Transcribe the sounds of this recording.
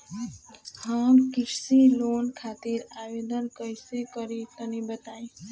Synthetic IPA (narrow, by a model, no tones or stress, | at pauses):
hamkɪʈsilonkʰaːt̪iɾaʋed̪ənkəjsekəɾit̪ənibət̪aĩ